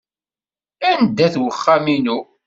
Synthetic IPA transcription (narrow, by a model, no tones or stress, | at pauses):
ænd̪ːæθwəχːæminu